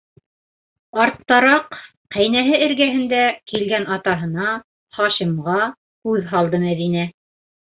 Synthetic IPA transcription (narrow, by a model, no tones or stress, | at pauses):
ɑɾt̪ːɑɾɑq | qæjnæɦɘɘ̆ɾɡæɦɘ̆nd̪ækilɡænʔɑt̪ɑɦɤ̆nɑ | χɑʃimʁɑ | kʉðɦɑlˠd̪ɤmæðinæ